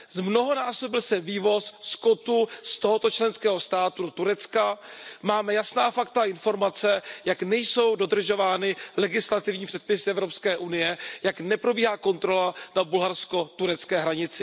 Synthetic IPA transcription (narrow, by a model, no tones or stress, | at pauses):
zmno̞ɦo̞naːsobɪlsɛviːvo̞sskot̪ust̪oɦo̞t̪o̞t͡ʃlɛnskɛːɦo̞st̪aːt̪udot̪uɾɛt͡skamaːmɛjasnaːfakt̪aʔɪnfo̞ɾmat͡sɛjaknɛjso̞wdo̞d̪r̩ʒo̞vaːnɪlɛɡɪslat̪ɪvɲiːpr̝̥ɛt̪̚pɪsɪʔɛvɾo̞pskɛːʔunɪjɛjaknɛpɾo̞biːɦaːko̞nt̪ɾo̞lanabulɦaɾsko̞t̪uɾɛt͡skɛːɦɾaɲɪt͡sɪ